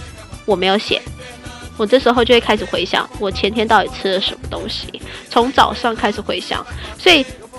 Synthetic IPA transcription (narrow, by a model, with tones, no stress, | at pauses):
wɔ˨˩me˧˥ɪjo˧˥ʊɕjɛ̰˨˩˦n | wɔ˨˩ʈ͡ʂɤ˥˩ʂɻ̩˧˥xo˧ʊt͡ɕo˥˧we˥˩kʰa˥ʂɻ̩˨˩xwe˧˥ɪɕjɑ̰˥ŋwɔ˨˩t͡ɕʰjɛ˧˥nt̪ʰjɛ˥nt̪ɑ˥˩ʊi˨˩ʈ͡ʂʰɻ̩˥lə˨ʂə˧˥nmə˧t̪ʊ˥ŋɕḭ˨˩t͡sʰʊ˧˥ŋt͡sɑ˨˩ʊʂɑ˥˩ŋkʰa˥ɪʂɻ̩˨˩xwe˧˥ɪɕjɑ̰˥˩˦ŋswɔ˧˥i˨˩